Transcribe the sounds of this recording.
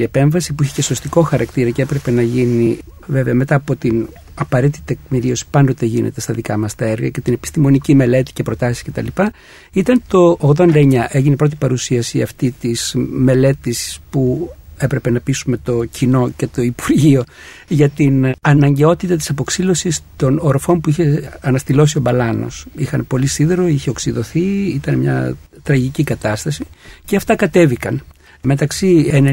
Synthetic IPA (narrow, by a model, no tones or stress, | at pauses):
iepe̞ɱvɐsipuiçe̥ce̞so̞st̪iko̞xɐɾɐkt̪iɾɐceepɾe̞pe̞nɐʝinive̞ve̞ɐme̞t̪ɐːpo̞t̪in | ɐpɐɾet̪iit̪ek̚miɾio̞si̥pɐnd̪o̞t̪e̞ʝinʔḛt̪e̞st̪ɐðikɐmɐst̪ɐeɾɣɐ̰ce̞t̪ine̞pi̥st̪imo̞nicime̞le̞t̪i̥ce̞pɾo̞t̪ɐsi̥sce̞t̪ɐ̰lipɐ | it̪ɐnt̪o̞ːɣðo̞nd̪ɐeɲɐʔe̞ʝinepɾo̞t̪̬ipɐɾusiɐsiɐ̰ft̪it̪izme̞le̞t̪ispue̞pɾe̞pe̞nɐpisume̞t̪o̞cʰino̞ce̞t̪o̞ipuɾʝio̞ | ʝɐt̪inɐnɐɲɟe̞o̞t̪it̪ɐt̪̬i̥sɐpo̞ksilo̞sist̪o̞noɾofo̞mpuiçe̞ɐnɐst̪ilo̞sio̞bɐlɐno̞̰sixɐnpo̞lisiðeɾo̞içe̞oksiðo̞θiit̪ɐnemɲɐ̰t̪ɾɐʝicikɐt̪ɐst̪ɐsiceɐft̪ɐkɐt̪e̞vikɐn | me̞t̪ɐksien